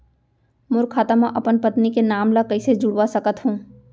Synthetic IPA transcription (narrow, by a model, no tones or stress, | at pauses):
mʊɾkʰaːt̪amãʔɐpənpət̪nikenaːmlakɐised͡ʒʊɽwasɐkət̪ɦũː